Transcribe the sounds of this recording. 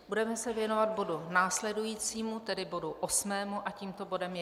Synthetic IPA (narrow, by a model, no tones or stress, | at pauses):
budɛmɛsɛvjɛno̞vad̪̚bo̞dunaːslɛdujiːt͡siːmut̪ɛdɪbo̞duʔosmɛːmuʔaciːmt̪o̞bo̞dɛmjɛ